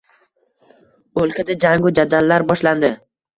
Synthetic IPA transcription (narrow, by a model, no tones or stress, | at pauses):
olˠkʲʰad̪ad͡ʒaŋɡʊd͡ʒad̪alːaɾbɒʃland̪ɪ